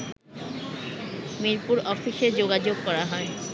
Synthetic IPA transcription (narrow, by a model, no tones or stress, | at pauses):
miɾpuɾɔfiʃed͡ʑoɡad͡ʑoɡ̚kɔɾaɦɔe